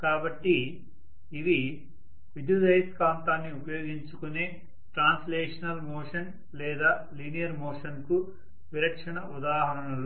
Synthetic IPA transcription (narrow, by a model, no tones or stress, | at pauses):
kaːbɐʈːiː | ʋi | ʋiɖud͡ʒɐjskaːnt̪aːnːiupɐjo̞ːɡiɲt͡ʃukune̞ː | ʈɾaːnslɛːʂɐnɐlmoːʂɐn | lɛːd̪aː | linijɐɾmoːʂɐnku | ʋiɾɐkʂɐɳɐud̪aːɦɐɾɐɳɐlu